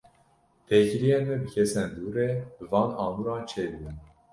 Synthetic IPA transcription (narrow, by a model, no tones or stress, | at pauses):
p̪ʰekiɾijenmɛbɨkʰɛsɛnd̪uːɾebɨvɑːnɑːmuɾɑːnt͡ʃʰeːd̪ɨb̪ɨn